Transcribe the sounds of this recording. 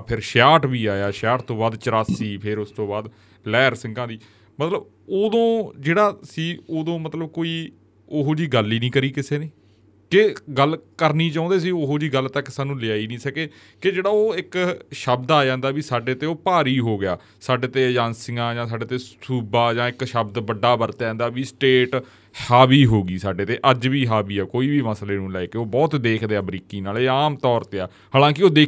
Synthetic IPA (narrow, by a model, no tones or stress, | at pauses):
pʰɪɾʃaːʈbiːaːjaːʃjaːʈt̪õːbaːd̪t͡ʃəɾaːsiːpʰɪɾʊst̪õːbaːd̪ | lɛːɾsɪŋɡãːd̪iː | mət̪ləb | oːd̪õːd͡ʒeːɽaːsiːoːd̪õːmət̪ləb̚koːiː | oɦoːd͡ʒiːɡəlːiːnĩːkəɾiːkɪseːneː | keɡəlkəɾniːt͡ʃãːnd̪eːs̬iːoɦoːd͡ʒiːɡəlt̪əkːsaːnũːlɪaːiːnĩːsəkeː | kɪd͡ʒeːɽaːoːɪkʃəbd̪aːd͡ʒãːnd̪aːʋiːsaːɖeːt̪eːoːpaːɾiːɦoːɡɪja̰ː | saːɖeːt̪eːd͡ʒãːnsɪŋɡãːd͡ʒãːsaːɖeːt̪eːsuːbaːd͡ʒãːɪkʃəbd̪bəɖːaːbəɾt̪aːãːnd̪aːʋiːsʈeːʈ | haːbiːɦoːɡiːsaːɖeːt̪eːʔəd͡ʒʋiːɦaːbiːɛːkoːiːbiːməsleːnũːlɛeːkeoːbɔːt̪d̪eːkʰd̪eːaːbɾiːkiːnaːleːaːmt̪ɔːɾt̪eːaː | ɦaːlãːkɪoːd̪eː